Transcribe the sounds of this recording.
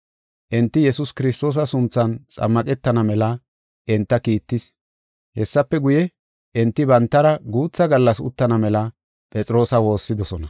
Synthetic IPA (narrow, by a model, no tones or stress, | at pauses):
ʔɪnt̪ːɪjɛsʊskɪɾɪst̪o̞ːs̬ɐsʊnt͡sːɐnt͡sʼɐ̰mːɐkʼɛt̪ːɐnɐmɛlɐ | ʔɪnt̪ːɐkiːt̪ːɪs | hɛsːɐpːɛɡʊjɛ | ʔɪnt̪ːɪbɐnt̪ːɐɾɐɡuːt͡sːɐɡɐlːɐsʊ̰t̪ːɐnɐmɛlɐ | pʼɛt͡sʼɪɾo̞ːsɐwo̞ːsːɪd̪ɔsɔnɐ